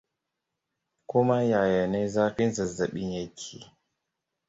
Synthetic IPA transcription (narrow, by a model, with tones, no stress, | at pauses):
ku˦ma˦ja˨ja˨ne˦zaː˦ɸi˦nzɐ˨za˨ɓi˦nja˦kʰi˨